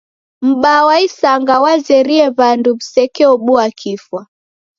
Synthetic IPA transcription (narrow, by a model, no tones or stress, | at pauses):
m̩ɓawaisaŋɡawazɛɾiɛβandum̩sɛkɛɔɓuakʰifwa